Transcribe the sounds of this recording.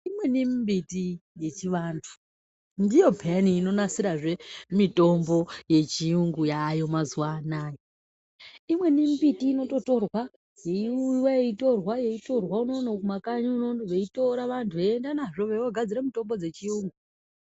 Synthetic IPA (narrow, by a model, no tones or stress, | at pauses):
imwe̞nimbitije̞t͡ʃiʋaːntʰu̥ | ndijo̞pʰeaniːno̞nasiɾaʐe̞mito̞mbo̞je̞t͡ʃiuŋɡujajo̞mazuwaːnaːjo | imwe̞nimbitiːno̞to̞to̞rwa | jeiuwaeito̞rwaje̞ito̞rwaunonokumakaɲuunonoʋeito̞ɾaʋantʰueːndanaʐoʋewoɡʱad͡ziɾamito̞mbo̞d͡ze̞t͡ʃiuːŋɡu